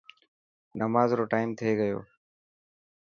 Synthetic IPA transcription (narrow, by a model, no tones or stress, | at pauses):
nəmaːzɾoːʈaːɪmt̪ʰeːɡəjo̰ː